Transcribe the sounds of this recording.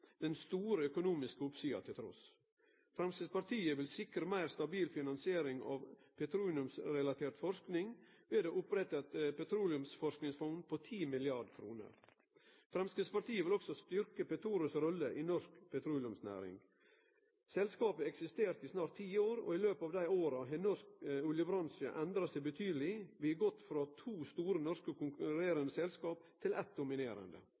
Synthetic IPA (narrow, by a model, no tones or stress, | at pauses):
d̪̥ɛnst̪uːɾəœkʊnuːmɪskəʊpsyːɑ̰t̪ʰɪlt̪ʰɾɔ̰s | fɾɑmsəspɑɾʈ̪ʰiːəʋɪlsɪkɾəmæɪɾst̪ɑbiːlfɪnɑnsɪeːɾɪŋɑ̰ːʋpʰɛt̪ʰɾuːlɪʉmsɾɛlɑt̪ʰeːɾt̪fɔʂknɪŋʋeːd̪eʔʊpɾɛt̪ːət̪pɛt̪ʰɾuːlɪʉmsfɔʂknɪŋsfɔŋnpʰoːt̪ʰiːmɪlɪɑɖkʰɾṵːnə̰ɾ | fɾɛmskɪspɑʈ̪iːəʋɪlɔksɔst̪ʏɾkəpɛt̪ʰɾuːɾəsɾɔlːəʔinɔʂkpʰɛt̪ʰɾuːlɪʉmsnæ̰ːɾɪ̰ŋ | sɛlskɑːpəɛksɪst̪eːɾt̪ɪsnɑːɾʈt̪ʰːiːoːɾɔ̰ːɪløːpɑːʋd̪æɪoːɾɑɦɛnɔskʉljəbɾɑnsɪə̰ʔɛnd̪ɾɑsɛɪbət̪ʰyːd̪əlɪʋɪɡɔt̪ːfɾɑt̪ʰuːst̪uːɾənɔʂkəkʊŋkɾeːɾənd̪əsɛlskɑːpt̪ʰɪlʔɛt̪̚d̪ʊmɪneːɾə̰nd̪ə̰